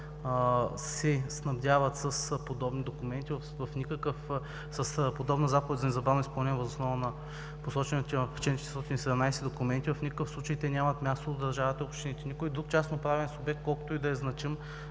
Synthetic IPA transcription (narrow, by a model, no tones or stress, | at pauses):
sɛsnɐbd̪javɐt̪səspod̪ɔbnid̪okʊmɛnt̪iv | vɐfnʲikəkəf | səspod̪ɔbnɐzapovɛd̪ʲzɐnɛzɐbavnʊispɐlˠnʲɛnʲɛvɐzosnɔvɐnɐ | posɔt͡ʃɛnɐt̪ɛft͡ʃɛnt͡ʃɛt̪ɾst̪ɔt̪ʲinisɛd̪ɛmnajsɛd̪okumɛnt̪ivɐfnʲikəkəfsˠut͡ʃɐjt̪ɛnʲamɐt̪mʲast̪od̪ɐɾʒavət̪ɐopʃt̪ɛnit̪ɛnʲikojd̪ɾuk̚t͡ʃasnopɾavɛnsubɛk̚t̪̚kɔlˠko̥t̪oid̪ɐɛznɐt͡ʃim